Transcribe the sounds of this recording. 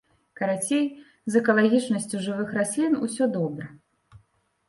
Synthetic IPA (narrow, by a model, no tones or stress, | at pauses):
kɐɾat͡sʲej | zɛkɐlˠaɣʲit͡ʂnɐsʲt͡sʲuʐɨvɨxɾasʲlʲinusʲɔd̪ɔbɾɐ